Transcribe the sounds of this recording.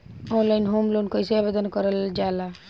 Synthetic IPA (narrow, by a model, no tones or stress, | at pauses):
ɔnlajnɦomlonkɔjseabed̪ɔnkɔɾəld͡ʒala